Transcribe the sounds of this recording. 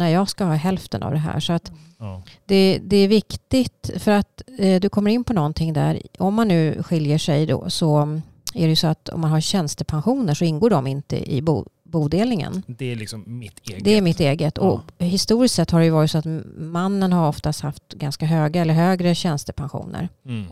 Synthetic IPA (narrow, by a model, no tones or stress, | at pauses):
næɾjɑːɡskahɑːɦɛlft̪ənʔa̰vd̪ɛɦæ̰ːʂɔat̪ | d̪ɛd̪ɛæɾvɪkt̪ɪɡt̪fœɾat̪d̪ɵkʰɔmːəɾɪnːpʰɔnɔnt̪ʰɪŋːd̪æ̰ɾɔmːanːʉ̟ːɧɪljəʂɛjd̪ɔ̰sɔ | æɖɛjɵsɔat̪ɔ̰mːanɦaɾɕɛnst̪əpʰanɧuːnəʂɔɪnɡoːɖɔmɪnt̪ə̰ʔɪ̰bṵ | buːd̪eːlnɪŋə̰nd̪lɪksɪd̪ɛæɾmɪt̪eːɡət̪ʰːɔhɪst̪uːɾɪst̪sɛt̪ːhaɖɛjɵvɑːɾɪt̪sɔat̪manːənɦaɾɔft̪ast̪haft̪ɡanskaɦøːɡaɛlːəɾɦøːɡɾəɕɛnst̪əpʰanɧṵːnə̰ɾ